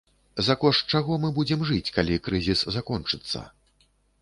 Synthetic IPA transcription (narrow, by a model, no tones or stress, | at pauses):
zakɔʂt͡ʂaɣɔmɨbud͡zʲɛmʐɨt͡sʲkalʲikɾɨzʲiszakɔnt͡ʂɨt̪sːɐ̰